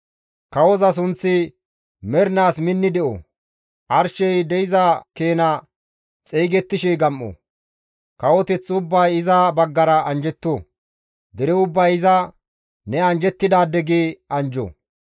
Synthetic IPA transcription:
kɐwɔzɐs̬ʊnt͡sːɪ | mɛɾnaːsmɪnːɪd̪ɛʔo̰ | ʔɐɾʃɛjd̪ɛjɪzɐkeːnɐ | t͡sʼɛjɡɛt̪ːɪʃɛjɡɐmːo̰ | kɐwɔt̪ɛt͡sːʊbːɐjɪzɐbɐɡːɐɾɐɐnd͡ʒɛt̪ːoː | d̪ɛɾɛʊbːɐjɪzɐ | nɛɐnd͡ʒɛt̪ːɪd̪aːd̪ɛɡeɐnd͡ʒo̰ː

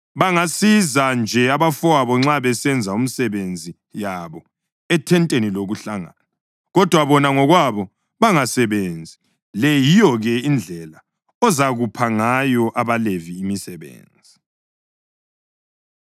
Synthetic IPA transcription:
βaŋasizand͡ʒʱɛaβafɔwaβɔŋ͡ǁaβɛsɛnd͡zʱaum̩sɛβend͡zʱi | jaβɔ | ɛtʰɛntʼeniloɣuɬaŋa̰na | ɣɔd̥ʱwaβɔnaŋɔɣwaβɔ | βaŋasɛβend͡zʱi | lɛjijɔɣɛind͡ɮʱɛla | ɔzaɣupʰaŋajɔʔaβaleviːmisɛβḛːnd͡zʱi

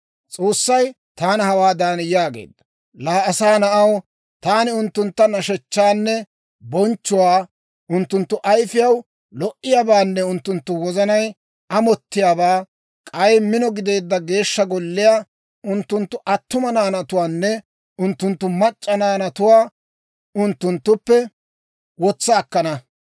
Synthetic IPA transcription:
t͡sʼo̞ːsːɐj | t̪aːnhɐwaːd̪aːnjaːɡḛːd̪ːɐ | laːɐsaːnɐʔɐw | t̪aːnɪʊnt̪ːʊnt̪ːɐnɐʃɛt͡ʃːaːnːɛ | bɔnt͡ʃːʊwaː | ʊnt̪ːʊnt̪ːʊʔɐjfɪjɐw | lɔʔːɪjaːbaːnːɛʊnt̪ːʊnt̪ːʊwɔzɐnɐj | ʔɐmɔt̪ːɪjaːbaː | kʼɐjmɪnɔɡɪd̪e̞ːd̪ːɐɡe̞ːʃːɐɡɔlːɪja | ʊnt̪ːʊnt̪ːʊʔɐt̪ːʊmɐnaːnɐt̪ʊwaːnːɛ | ʊnt̪ːʊnt̪ːʊmɐt͡ʃʼːɐnaːnɐt̪ʊwaː | ʊnt̪ːʊnt̪ːʊpːɛ | wɔt͡sːaːkːɐnɐ

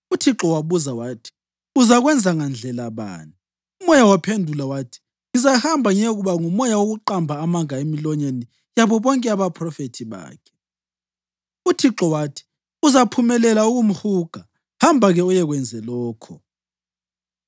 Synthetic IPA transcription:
utʰiǁɔwaβuzawaːtʰi̥ | uzaɣwɛnd͡zʱaŋand͡ɮʱɛlaβa̰ːni | umɔjawapʰendʱulawaːtʰi̥ | ŋizahambʱaŋeɣuβaŋumɔjawoɣuǃambʱaːmaŋaemilɔɲeni | jaβɔβɔŋkʼɛaβapʰrɔfetʰiβa̰ːkʰɛ̥ | utʰiǁɔwatʰi̥ | uzapʰumɛlɛlauɣum̩huɡ̥ʱa | hambʱaɣɛɔjɛɣwɛnd͡zʱɛlɔːkʰɔ

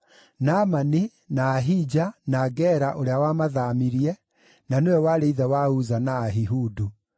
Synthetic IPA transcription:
namani | naːɦid͡ʒanaɡɛɾaʔoɾeawamaðamiɾiɛ | nanewɛwaɾeiðɛwauzanaːɦiɦudu

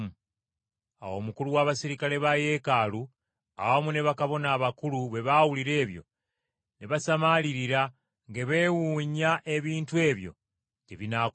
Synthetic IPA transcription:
a̰wo̞ːmukuluwaβasiɾikale̞βaje̞ːkalu | a̰βamune̞βakaβo̞naːβakuluβe̞βawuliɾe̞ːβjo̞̰ | neβasamaliɾiɾa | ŋɡe̞βe̞wuːɲaʔe̞βiːntwe̞ːβjo̞̰ | ceβina

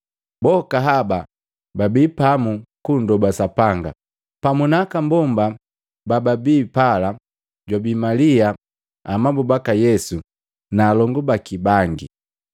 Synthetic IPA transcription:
bɔkaɦaba | babipamukundɔbasapaŋɡa̰ | pamunakambɔmba | bababiːpala | ɟwabimalia | amabubakajɛsu | naːlɔŋɡubakibaŋɡi

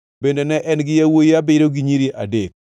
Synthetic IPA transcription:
bendenɛʔɛnɡɪjawojiabɪɾoɡiɲiɾiʔadek̚

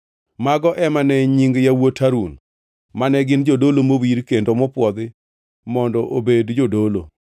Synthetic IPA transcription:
maɡɔʔɛmanɛɲiŋɡjawotʰaɾun | manɛɡɪnd͡ʒodolomowiɾkendomɔpwɔd̪ɪ | mɔndɔʔobedd͡ʒodolo̰

